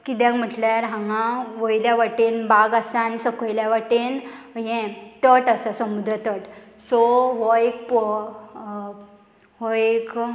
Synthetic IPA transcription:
kit̪jãkm̤əʈljaɾɦãŋãʋəjljaʋəʈenbaɡasaañisəkojljaʋaʈenɦɛ̃t̪əʈasasəmud̪ɾət̪əʈ | sɔɦɔek̚pɔ | ɦɔek

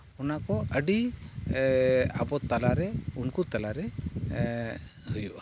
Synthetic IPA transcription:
ɔnakɔəɖi | a̰bɔt̪alaɾɛunkut̪alaɾɛ | hujuʔ

